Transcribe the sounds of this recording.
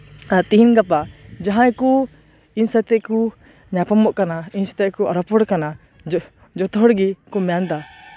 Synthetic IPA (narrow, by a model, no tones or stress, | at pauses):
at̪iɦinɡapad͡ʒaɦãɛku | insat̪ɛʔku | ɲapɔmɔʔkanainsɛ̥t̪ɛʔkuaɾɔpɔɽkana | d͡ʒɔt̪ɔɦɔɽɡikumɛjand̪a